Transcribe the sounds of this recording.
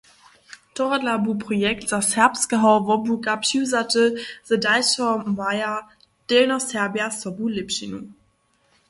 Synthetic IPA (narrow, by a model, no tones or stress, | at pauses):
tʰɔʁadlabupʁ̥ɔjɛk̚tz̥asɛɐpskəɦaʊvɔbuɡapʃizatəz̥ədaɪsɔmaja | d̥elnɔsɛɐbjasɔbulɪpʃinu